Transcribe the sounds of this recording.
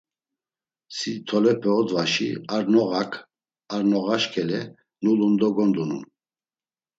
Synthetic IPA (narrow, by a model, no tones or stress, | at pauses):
sit̪ʰɔlɛpʰɛɔd̪vaʃiaɾnɔɣakʰ | aɾnɔɣaʃkʰɛlɛ | nulund̪ɔɡɔnd̪unṵn